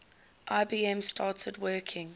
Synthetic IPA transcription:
ʔaɪbiːɛ̃mstʰɑːˑtʰədwɜːˑkʰɪ̃ŋ

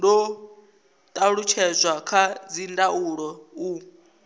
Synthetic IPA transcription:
ndɔ | tʼaɺut͡ʃʰɛzʷakʰad͡zindauɺɔu

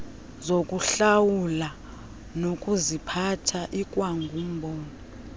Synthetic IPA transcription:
zokʼuɬawula | nokʼuzipʰatʰaʔikʼwaŋɡʱum̩bʱoːni

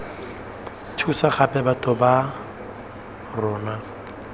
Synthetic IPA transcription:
tʰusaχapʼɛbatʼɔba | rɔːna

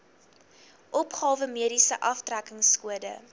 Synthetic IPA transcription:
ʔɔpχɑːvəmiəɾisəʔɐftrækəŋskuədə̰

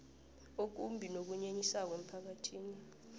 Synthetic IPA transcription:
ok̬umbʱinok̬uɲeɲisak̬wem̩pʰak̬atʰiːni

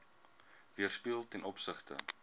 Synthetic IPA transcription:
viərspiəlˠtɛnʔɔpsəχtə̰

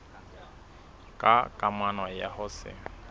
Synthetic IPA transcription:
kʼakʼamanwajahʊsɪ̰

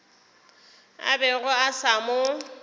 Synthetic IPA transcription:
a̰bɛɣʊasamʊ

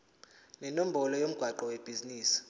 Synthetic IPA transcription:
nɛnom̩bʱɔlɔjom̩ɡ̥ʱwaǃɔweb̥ʱiziniːsi̥

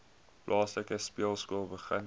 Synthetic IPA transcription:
plʔɑːsləkəspiəlˠskuəlˠbəχən

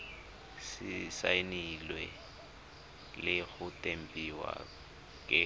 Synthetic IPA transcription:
sɪsainilwɛ | lɪɣʊtʼem̩pʼiwa̰ | kʼɪ

